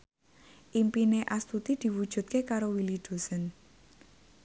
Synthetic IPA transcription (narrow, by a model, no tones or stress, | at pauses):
ʔimpineʔast̪ut̪id̪̥i̤wud̥ʒ̥ṳt̪̚kekaɾowilid̪̥o̤sən